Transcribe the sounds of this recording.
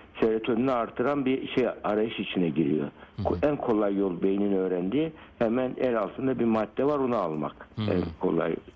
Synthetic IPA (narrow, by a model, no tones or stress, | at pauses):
seɾet̪ʰonyniaɾt̪ʰːɯɾanbiʃejaɾajɯʃit͡ʃʰinɛɟiɾḭjo̞̰ænkʰo̞lˠajːo̞lˠbe̞jininø̞ːɾænd̪iːhɛmænæɾalˠt̪ʰɯnd̪abimad̪ːɛvaɾonaːlˠma̰kɛ̰nkʰo̞̰lˠa̰j